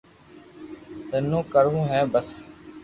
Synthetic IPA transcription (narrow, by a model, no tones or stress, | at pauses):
t̪ənũːkəɾũːɦɛːbəs